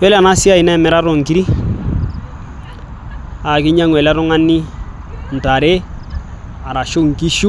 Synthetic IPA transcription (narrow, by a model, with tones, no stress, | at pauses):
wɛ˦la˨na˦si˦a˦˨ɪ˨nɛ˦˨mɛ˨ɾa˦ɾo˨ŋ̩˨ki˦ɾi˦ | a˨kɪ˦ɲa˦ŋwɛ˨la˦ɾʊ˦ŋa˦ni˦n̩˨ta˨ɾe˦ | a˨ɾa˨ʃo˦ŋ˨ki˦ʃu˦